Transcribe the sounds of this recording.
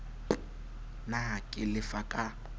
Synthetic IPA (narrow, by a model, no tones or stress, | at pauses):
nakʼɪlɪfakʼa